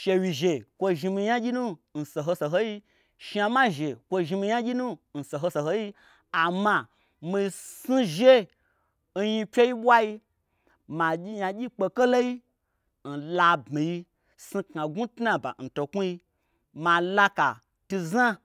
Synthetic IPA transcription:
ʃe˧wi˨ʒe˨kʷo˧ʒi˧mi˧ja˦ɡʲi˦nũ˦n̩˨so˨ɦo˧so˨ɦo˦ji˦ | ʃa˧ma˦ʒe˨kʷo˧ʒi˧mi˧ja˦ɡʲi˦nũ˦n̩˨so˨ɦo˧so˨ɦo˧ji˦ | a˨ma˧ | mi˧si˦ʒe˦ | n̩˦ji˧pʲe˦ji˦ɓʷwa˦ji˧ | ma˨i˦ja˧ɡʲi˦k͡pe˧ke˦lo˦ji˦ | n̩˨la˧bmi˨ji˧ | si˧kŋa˨ɡu˦tna˨ba̰˨n̩˨to˨ku˦ji˧ | ma˧˨la˦ka˨ | tu˧za˦

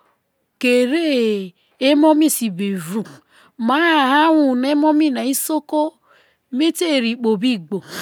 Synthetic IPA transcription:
ke˨ɾe˦ | e˦mo˦mi˦˨si˨be˨vu˨ | ma˨˦a˦˨ha˦wu˨ne˦mo˦mi˦˨na˨i˦so˦ko˦ | mi˦te˦˨ɾi˨k͡po˨bi˦ɡ͡bo˨

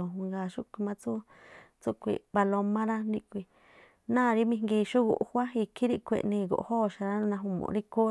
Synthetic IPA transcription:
o˨u˧ŋɡa˨ʃu˦kʷi˧mã˦t͡su˦ | t͡su˦kʷḭ˧˨βa˧lo˧mã˦ɾa˦nĩ˧kʷi˧ | nã˦˨˧ɾi˦mĩ˧ŋɡi˧ʃu˦ɣṵ˨ʔhʷa˦i˧kʰi˦ɾi˦kʷḛ˧˨ʔnĩ˧ɣo̰˨ʔhoː˦˨ʃa˨˧ɾa˦nã˧ɦũ˧mõ̰˧ɾi˦ko˦

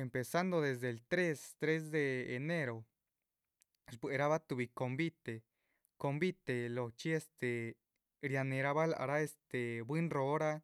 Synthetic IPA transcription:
e˨mpe˨sa˦nd̪o˧ðe˨zd̪e˨lt̪ɾe˦st̪ɾe˦z̬d̪eː˧˨ne˦ɾo˨ | sbwe˨ɾa˦βa˦t̪u˧βi˨ko˧mbi˦t̪e˨ | ko˧mbi˦t̪e˨lo˨t͡ʃi˦e˧st̪e˨ | ɾja˧ne˨˧ɾa˧βa˦la̰˨ɾa˦e˧st̪e˨bwi˦nro˧˦ɾa˦

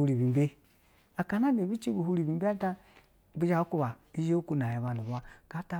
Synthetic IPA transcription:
u˦ɾi˨bi˨be˦ | a˨ka˨na˦ne˨bi˦t͡ʃi˦bu˨hu˦ɾi˨bi˨˦e˦a˦ta˦˨ | bi˦d͡ʒa˨˦u˦ku˦βa˨ | i˦d͡ʒe˦o˦ku˦n˨a˨ji˨βa˨nu˨βa˦ka˨˦ta˦

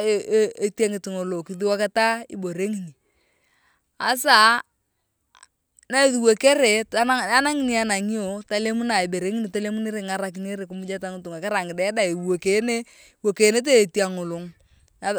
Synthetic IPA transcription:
e˦ta˦ŋɪ˨tɪ˨ŋo˨lo˨kɪ˨ði˦wa˦ka˦ta˦ḭ˦bo˨ɾe˦ŋi˨ni˨ | a˨sa˦˨ | na˦e˨ðu˨we˨ke˦ɾe˨ta˦na˦a˦na˦ŋi˨ni˨a˨na˨ŋi˦o˨ta˦le˦mu˦na˨i˨be˨ɾe˦ŋi˦ni˨ta˦le˦mu˦ne˦ɾe˨ŋa˦ɾa˨k̬i˨ne˦ɾe˨kʊ˨mʊ˦d͡ʒa˦ta˦ŋʊ˨˦tu˨ŋa˨ka˦ɾa˨ŋɪ˨dɛ˦da˦˨e˨wo˨ke˨˦ne˦ | wo˨ke˨ne˦t̬eː˦˨ti˦a˨ŋʊ˨lo˨ŋ | na˨

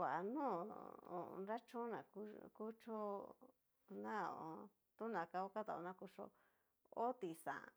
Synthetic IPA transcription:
kʷa˨ʔa˨nũ˦˨õ̰˨˧nɾa˦t͡ʃõ˦nã̰˨ku˧ku˦t͡ʃo˦ | nã˦õ˨˧ | t̪u˦nã˨ka˧o˦ka˦t̪a˧˨o˧nã˧˦ku˧ʂo̰˧ | o˦t̪i˨sã̰˨

